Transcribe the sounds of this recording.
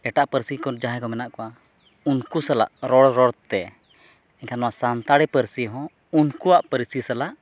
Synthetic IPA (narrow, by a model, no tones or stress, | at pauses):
ɛʈaʔpəɾsikɔd͡ʒaɦɛ̃kɔmɛnaʔkɔa | unkusala̰ʔɾɔɽɾɔɽt̪ɛ | ɛɲkʰanɔwasant̪aɽɛpəɾsiɦɔ̃ | unkuwaʔpəɾisisalaʔ